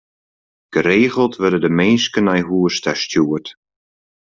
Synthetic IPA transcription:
ɡ̥əɾeːɣəlˠtʋødədəmeːnskənɛjɦuəstɛstjuət

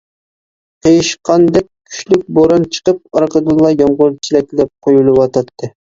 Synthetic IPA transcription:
qʰejiʃqɑnd̪ɛk̚ʲkʲʰy̥ʃlyk̚ʲboɾɑnt͡ʃʰə̥qəp̚ɑɾqəd̪ɨlˠːɑjɑmʁʊɾt͡ʃʰilɛk̚ʲlɛp̚qʰojulˠɨwɑt̪ʰɑt̪ʰːɨ

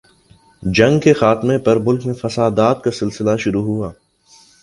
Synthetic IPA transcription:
d͡ʒɐ̃ŋɡkexaːt̪mẽpɐɾmʊlkmẽfɐsaːd̪aːt̪̚kasɪlsɪlaʃʊɾuɦuaː

